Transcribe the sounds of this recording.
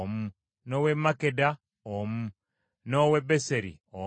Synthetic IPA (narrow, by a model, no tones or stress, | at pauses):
mu | nowemakeda | omu | nowebeseɾḭo